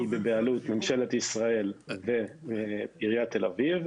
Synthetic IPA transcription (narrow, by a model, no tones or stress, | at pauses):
bebealut̪memʃe̞le̞t̪isʁae̞lve | biʁjat̪ːe̞laviv